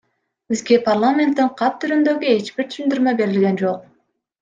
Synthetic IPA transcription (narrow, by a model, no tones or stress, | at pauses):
b̥izɡe̞pʰarlˠamʲent̪ːiɴqʰɑp̚t̪ʰyɾynd̪ø̞ɡye̞t͡ʃb̥iɾt̪ʰy̥ʃynd̪yɾmøbe̞ɾilɡʲe̞nd͡ʒo̞q̚